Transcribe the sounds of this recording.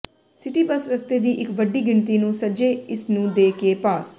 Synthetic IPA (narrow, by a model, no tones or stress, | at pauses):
sɪʈiːbəsɾəst̪eːd̪iːʔɪkʋəɖiːɡɪɳt̪iːnũːsəd͡ʒeːɪsnũːd̪eːkeːpaːs